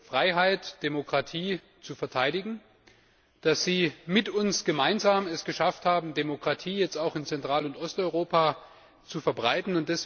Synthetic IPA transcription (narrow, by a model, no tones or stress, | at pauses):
fʁ̥aɪɦaɪtd̥emokʁ̥atʰiː | t͡sufɛɐtʰaɪɾɪɡŋ̩ | d̥asz̥iːmɪtʊnsɡ̥əmaɪnzaːmɛsɡ̥əʃafthaːbm̩demokʁ̥atʰiːjɛt͡staʊxɪnt͡sɛntʁ̥aːlʊntʔɔstɔʏʁoːpa | t͡sufɛɐbʁaɪtn̩ʊnt̚d̥ɛs